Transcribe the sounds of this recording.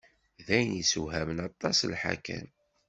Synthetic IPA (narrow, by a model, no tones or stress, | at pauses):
ðæjənisuɦæmənɑt̪ˤːɑslħa̰kæ̰n